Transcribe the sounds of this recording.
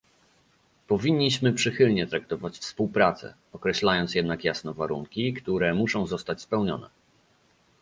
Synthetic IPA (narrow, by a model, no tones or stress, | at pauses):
pɔvʲiɲʲːiɕmɘpʂɘxɘlɲɛt̪ɾak̚t̪ɔvat͡ɕfspuwpɾat̪sɛ̰ | ɔkɾɛɕlajɔnt̪sjɛd̪nakjasnɛvaɾuŋkʲikt̪uɾɛmuʂɔ̃w̃zɔst̪at͡ɕspɛwɲɔ̰nɛ̰